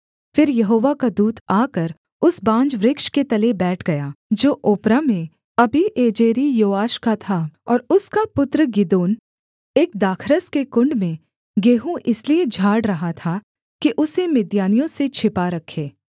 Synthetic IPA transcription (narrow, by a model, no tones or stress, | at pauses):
fɪɾjɐɦoːʋakad̪uːt̪ʰaːkəɾ | ʊsbãːd͡ʒʋɾɪkʃket̪ɐlebɛːʈʰɡɐjaːd͡ʒoːʔʊːpɾamẽ | ɐbʱiʔeːd͡ʒeːɾijoːaːʃkat̪ʰaɔːɾʊskapʊt̪ɾəɡɪd̪oːn | eːk̚d̪aːkʰɾəskekʊ̃ɳɖmẽ | ɡeːɦũʔɪslied͡ʒʱaːɽɾɐɦat̪ʰa | kiʔʊsemɪd̪jaːnijõset͡ʃʰɪpaɾɐkʰeː